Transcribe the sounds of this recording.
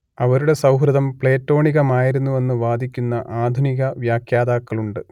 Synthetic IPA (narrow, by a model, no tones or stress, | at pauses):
ɐʋɐɾuɽe̞sɐwɦɾɨd̪ɐmpɭe̞ːtːo̞ːɳiɣɐmaːjiɾunːue̞nːɨʋaːd̪ʱikʲːunːɐʔaːd̪ʱuniɣɐʋjaːkʰjaːd̪aːkːɐɭuɳɖɨ